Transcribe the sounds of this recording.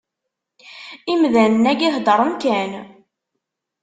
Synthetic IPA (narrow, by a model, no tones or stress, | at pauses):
imðænnːæɡihd̪əɾˤəmkæn